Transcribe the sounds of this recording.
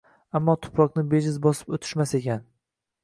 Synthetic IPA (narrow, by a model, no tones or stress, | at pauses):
amːɒt̪ʰʊ̥pʰɾɒqnɪbeʒɪzbɒsɪ̥pot̪ʰɪ̥ʃmase̞kʲan